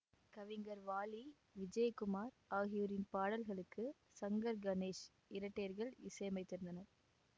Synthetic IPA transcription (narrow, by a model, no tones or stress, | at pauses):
kɐʋɪŋɡɐɾʋaːli | ʋɪd͡ʒɐjkʊmaːɾaːɣɪjʊɾɪnpaːɽɐlɣɐɭɯkːɯ | sɐŋɡɐɾɡɐneːʂ | ɪɾɐʈːeːɾɣɐɭɪ̰sɐjɐmɐɪt̪ːɪɾɯnd̪ɐnɐɾ